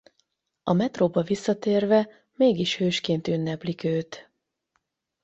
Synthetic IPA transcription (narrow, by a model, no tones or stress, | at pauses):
ɒmɛt̪roːbɒvisːɒt̪eːrvɛ | meːɡiʃhøːʃkeːnt̪ynːɛplikøːt̪